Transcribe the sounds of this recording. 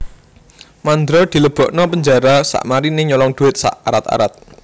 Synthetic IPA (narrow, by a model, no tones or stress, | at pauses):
mand̪ɾɔd̪̥i̤ləb̥ɔ̤ʔnɔpəɲd͡ʒaɾasa̰ʔmaɾineɲɔlɔŋd̥uɪt̪̚sa̰ʔaɾat̪a̰ɾa̰t̪̚